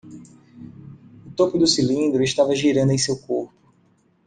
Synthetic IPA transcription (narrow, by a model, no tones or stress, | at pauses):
ʊt̪opʊd̪ʊsilĩnd̪ɾʊɪʃt̪avɐʒiɾɐ̃nd̪ʊej̃sewkoɾpʊ̥